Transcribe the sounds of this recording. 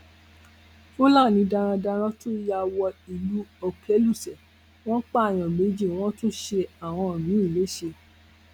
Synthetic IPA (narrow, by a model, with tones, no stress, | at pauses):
fo˦la˦˨nĩ˨˧da˧ɾ̃ã˧da˧ɾ̃ã˦to˦ja˧wɔ˧i˨lu˦ɔ˧kʰɛ˦lu˦˨sɛ˨ | w̃ɔ̃˦k͡pa˦a˨j̃ã˨me˨˦d͡ʒi˦˨w̃ɔ̃˦to˦ʃe˧a˨w̃ɔ̃˧˨mĩ˨˦i˦˨le˨˦ʃe˧